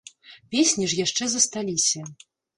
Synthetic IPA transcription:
pʲesʲnʲiʐjaʂt͡ʂɛzɐst̪alʲisʲɐ

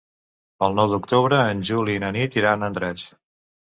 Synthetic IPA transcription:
əlˠnɔwd̪ukt̪uβɾəːnʲʒulinənit̪iɾanənd̪ɾɛt͡s

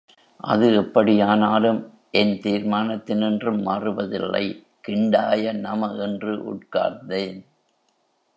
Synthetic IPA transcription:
ʔɐ̰ðɯɛpːɐɽɪjaːnaːlɯm | ʔɛnt̪iːɾmaːnɐt̪ːɪnɪndrɯmːaːrɯʋɐðɪ̰lːɐ̰ɪ | kɪɳɖaːjɐnɐmɐʔɛndrɯʔʊ̰ʈka̰ːɾnd̪eːn

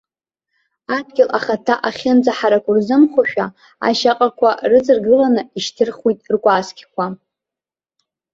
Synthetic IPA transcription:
adɡʲɪlʔaχatʰaʔaχʲɪnd͡zaħaɾakʷʼʊrzɨmχʷaʃᶣa | a̰ʃaqʼakʷʰarɨd͡zɨrɡɨlanɨiʃtʰɨrχwitʼrkʷʼaːskʲkʷʰa

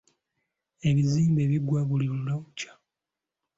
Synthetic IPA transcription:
e̞βiziːmbe̞ːβiɡwaβulimulawucḁ

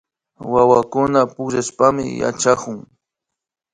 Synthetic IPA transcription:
wawakʊnapʊʒaspamɪ̰ja̰t͡ʃakʊŋ

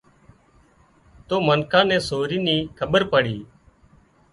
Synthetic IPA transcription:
t̪oːmənkʰãːnɛ̃ːsoːɾiːniːkʰəɓəɾpəɽiː

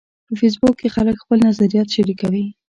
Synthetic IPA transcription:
pəfes̬bʊkːexaləkxpəlnazaɾijɑt̪ʃaɾikawi

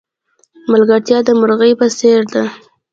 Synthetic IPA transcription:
malɡaɾt̪jɑd̪əmʊɾɣəjpəseɾd̪a

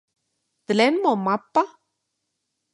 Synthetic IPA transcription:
d̪ɨlenmomapːa

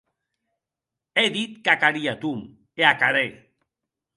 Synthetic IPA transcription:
eðit̪̚kakaɾiat̪um | eakaɾe

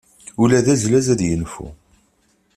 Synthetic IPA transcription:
ulæðæzlæzæðjənfṵ

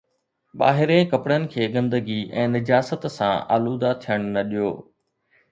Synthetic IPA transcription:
ɓa̰ːɦɪɾẽkɐpɽənɪ̆kʰeːɡɐ̃nd̪əɡiʔɛ̰̃ːnɪd͡ʑaːsət̪sãʔa̰ːluːd̪at̪ʰijəɽ̃nɐɗijo̰ː

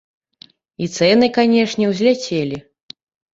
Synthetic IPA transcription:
it̪sɛnɨkanʲɛʂnʲɛwzʲlʲat͡sʲelʲi

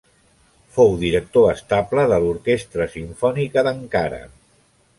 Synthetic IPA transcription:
fowðiɾək̚t̪oəst̪apləðəluɾkest̪ɾəsiɱfɔnikəðəŋkaɾə̰

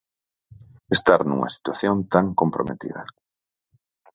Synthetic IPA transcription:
est̪aɾnṵŋɐ̰si̥t̪waθjont̪aŋkompɾomet̪ḭðɐ̰

